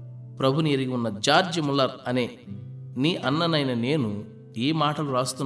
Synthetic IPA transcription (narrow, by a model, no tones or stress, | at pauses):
pɾɐbʱuniɐɾiɡiunːɐd͡ʒaːɾd͡ʒɐmulːɐɾɐneːniːʔɐnːɐnɐjnɐne̞ːnu | iːmaːʈɐluɾaːst̪un